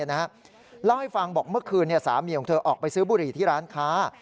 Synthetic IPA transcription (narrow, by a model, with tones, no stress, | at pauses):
na˦˥ha˦˥ | lɛː˦˥˩wha˥˩jfa˧ŋbɔː˨˩k̚mɯ˥˩ɐkʰɯː˧nːi˥˩sa̰ː˩˦miː˨˩kɔ˨˦t̪ʰːʔɔː˨˩k̚pa˧jsɯː˦˥buː˧ɾiː˨˩t̪ʰiː˥˩ɾaː˦˥nkʰaː˦˥